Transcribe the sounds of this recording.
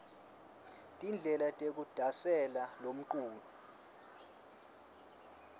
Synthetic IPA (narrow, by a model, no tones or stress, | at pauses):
tʼind͡ɮʱɛlatʼek̬ud̥ʱasɛlalom̩ǃuːlɔ